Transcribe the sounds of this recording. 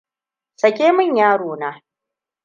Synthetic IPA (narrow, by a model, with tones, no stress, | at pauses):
sɐ˨kʲeː˦mɪ˦˨ɲjaː˦ɽoː˨naː˦